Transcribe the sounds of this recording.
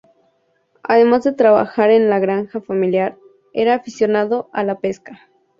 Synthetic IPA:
a̰ðemazd̪et̪ɾaβa̰xaɾenlaɣɾaŋxafamiljaɾ | eɾaːfisjonaðoalapeska

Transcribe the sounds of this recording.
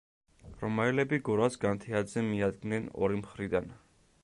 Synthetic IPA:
ɾɔmaɛlɛbiɡuɾasɡant̪ʰɛad̪zɛmiad̪̚ɡnɛnɔ̰ɾimχɾid̪an

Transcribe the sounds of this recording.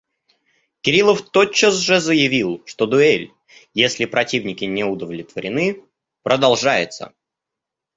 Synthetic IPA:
kʲɪɾʲilˠəft̪ot͡ɕːəsʐɨzəjɪvʲilˠʂt̪o̞d̪ʊelʲ | jesʲlʲɪpɾɐtʲivnʲɪkʲɪnʲɪʊd̪əvlʲɪt̪vəɾʲɪnɨ | pɾəd̪ɐlˠʐajɪt̪sə̰

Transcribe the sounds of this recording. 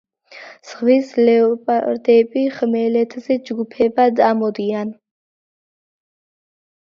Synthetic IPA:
sχwislɛɔpʼaɾd̪ɛbiχmɛlɛt̪ʰzɛd͡ʒɡupʰɛbad̪amɔd̪ian

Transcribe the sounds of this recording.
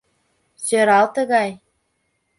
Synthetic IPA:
t͡ɕɤ̆ɾɑlˠt̪ɤ̆ɣɑj

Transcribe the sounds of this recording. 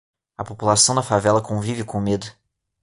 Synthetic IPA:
ɐpopulasɐ̃w̃nɐfavɛlɐkõvivɪkõmed̪ʊ

